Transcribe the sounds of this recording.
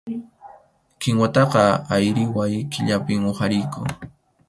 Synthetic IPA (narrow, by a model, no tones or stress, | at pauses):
kɪŋwat̪ɑqɑajɾɪwajkɪʎapɪmohaɾɪjkʊ